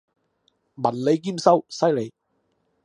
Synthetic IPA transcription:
mɐ˨˩nle˨˧jk̬iː˥˩msɐ˥wsɐ˥jle˨˧j

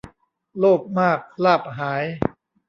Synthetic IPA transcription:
loː˥˩k̚maː˥˩k̚laː˥˩p̚ɦaː˩˦j

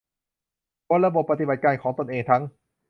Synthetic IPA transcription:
kʰo˧˦˥nɾa˧˥bo˨˩pːa˧t̪i˧ba˨˩t̪̚kaː˧nkʰɔː˩˦ŋt̪o˧nʔeː˧˩ŋt̪ʰa˦˥ŋ

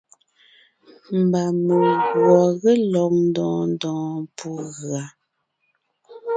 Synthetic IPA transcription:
m̩˨ba˨mə˨ɣwɔ˨ɣə˦lɔ˨ŋn̩˦dɔ̃ː˨n˦dɔ̃ː˨˦pʰu˦ɣɰa˨˦

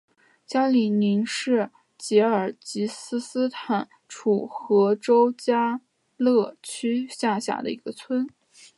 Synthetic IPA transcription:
t͡ɕja˥li˨˩ni˧˥nʂɻ̩˥˩ | t͡ɕjɛ˧˥ə˞˨˩t͡ɕi˧˥sɹ̩˥sɹ̩˥t̪ʰa˨˩˦n | ʈ͡ʂʰu˨˩xɤ˧˥ʈ͡ʂo˥ʊt͡ɕja˥ | lɤ˥˩t͡ɕʰy˥ɕja˥˧ɕja̰˥˩d̪ə̰˧i˧˥ɡə˧t͡sʰwə˥n

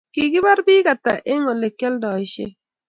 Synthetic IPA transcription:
ki˨ɡɪ˦ba˦ɾbɪ˦ka˨ta˨ʔe˦ŋo˨le˨kːɛ˦ldɔ˨ɪ˨ʃḛ˦

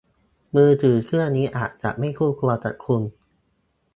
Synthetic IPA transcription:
mɯː˧t̪ʰɯː˨˩˦kʰɯ˥˩əniː˦˥ʔaː˨˩t̪̚t͡ɕa̰˨˩ʔma˥˩jkʰuː˥˩kʰlu˧ɐt͡ɕa̰˨˩t̪̚kʰu˧n

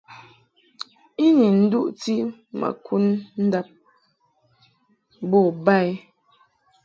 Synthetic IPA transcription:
i˦ni˨n̩˦du˦ʔti˦ma̰˨kʰu˦nn̩˦da˦p̚ | bɔ˦˨ba˦˨i˦

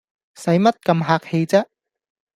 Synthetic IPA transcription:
sɐ˨˥jmɐ˥t̚kɐ˧mɦaː˧k̚he˧jt͡sɐː˥

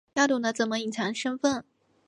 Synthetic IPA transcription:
ja˥˩t̪u˥˩nə˥t͡sə˨˩nmə˦i˨˩t͡sʰɑ˧˥ŋʂə˥nfə˥˩n

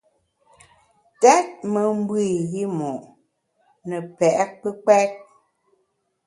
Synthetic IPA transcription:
tɛ˦t̚mə˨m̩˦bwi˦˨ɣi˦mɔ˨ʔ | nə˨pɛ˨ʔk̚k͡pə˦k͡pɛ˦k̚

